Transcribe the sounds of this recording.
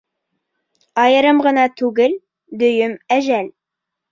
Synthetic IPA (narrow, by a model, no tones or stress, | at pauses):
ɑjɤ̆ɾɤmʁɤ̆nɑt̪ʉɡɘl | d̪ɵ̆jɵmæʒæl